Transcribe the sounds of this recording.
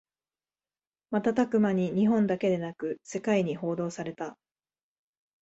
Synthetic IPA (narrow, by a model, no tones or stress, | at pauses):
mat̪at̪akɯ̟maɲ̟iɲ̟iɦõ̞nd̪ake̞d̪e̞nakɯ̟se̞kaiɲ̟iɦo̞ːd̪o̞ːsaɾe̞t̪a